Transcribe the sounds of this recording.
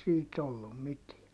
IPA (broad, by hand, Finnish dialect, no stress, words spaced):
siːt olːum mitiæ